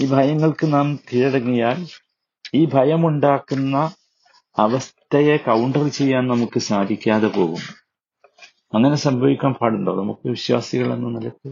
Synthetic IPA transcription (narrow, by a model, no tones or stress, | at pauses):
iːbʱɐjɐŋːɐɭkɨnaːmkiɻɐɽɐŋːijaːl | iːbʱɐjɐmuɳɖaːkːunːɐ | ɐʋɐst̪ɐje̞kɐwɳɖɐrt͡ɕe̞jːaːnnɐmukːɨsaːd̪ʱikʲːaːðepo̞̰ːɣunːu | ɐŋːɐne̞sɐmbʱɐʋikʲːaːnpʰaːɽuɳɖoːnɐ̰mukːɨʋiɕwa̰ːsiɣɐɭe̞̰nːumnɐlɐk̪ːe